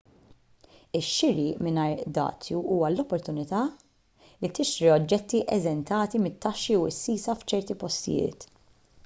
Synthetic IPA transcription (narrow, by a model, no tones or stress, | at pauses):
ɪʃːɪɾiʔmɪnɐjɾd̪ɐ̰ːt͡sjuʔuːwɐlɔpːɔɾt̪ʊnɪt̪ɐː | lit̪ɪʃɾiɔd͡ʒːɛt̪ːiʔɛzɛnt̪ɐːt̪imɪt̪ːɐʃːiuɪsːiːsɐft͡ʃɛɾt̪ipɔst̪ɪ̰jɪ̰ːt̪